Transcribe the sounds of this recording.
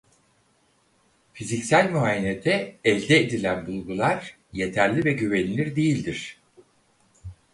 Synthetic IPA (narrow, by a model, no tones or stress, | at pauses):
fizicsælʲmyaːjened̪ɛɛlʲd̪ɛːd̪ilʲænbulˠɡulˠaɾ | je̞t̪ʰæɾlʲivɛɟyvenʲlʲiɾd̪ejilʲd̪iɾ̝̥